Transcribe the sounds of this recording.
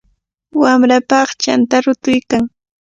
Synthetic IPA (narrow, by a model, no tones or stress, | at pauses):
wamɾapɑχt͡ʃant̪aɾʊt̪ʊjkaŋ